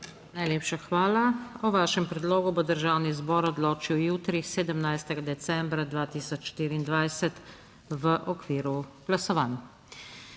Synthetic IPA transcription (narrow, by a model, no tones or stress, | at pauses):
najleːpʃaxʋaːlaɔʋaːʃɛmpɾɛd̪loːɡubod̪əɾʒaːwnizbɔːɾɔd̪loːt͡ʃiwjuːt̪ɾiseːd̪əmnajst̪ɛɡad̪ɛt̪sɛmbɾad̪ʋaːt̪iːsɔt͡ʃʃt̪iːɾiːnd̪ʋajsɛt̪ | ʋəʔɔkʋiːɾuɡ̥lasɔʋaːn